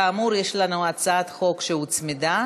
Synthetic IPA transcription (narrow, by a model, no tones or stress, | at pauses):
aːmuʁjeʃlanuat͡saat̪χo̞kʃehut͡smid̪a